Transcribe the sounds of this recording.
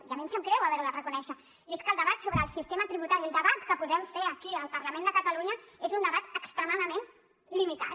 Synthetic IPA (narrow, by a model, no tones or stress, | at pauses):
iamĩnsəmkɾɛwəβɛɾuðərəkunɛʃə | eskəlˠd̪əβat̪soβɾəːlˠsist̪emət̪ɾiβut̪aɾilˠd̪əβat̪kəpuðɛmfeɾəkiəlˠpərləmẽnd̪əkət̪əluɲəezund̪əβat̪əkst̪ɾəmaðəmen | limit̪a̰t̪